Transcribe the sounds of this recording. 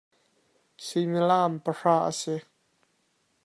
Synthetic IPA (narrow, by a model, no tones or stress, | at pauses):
similampəʂaʔa̰sɪ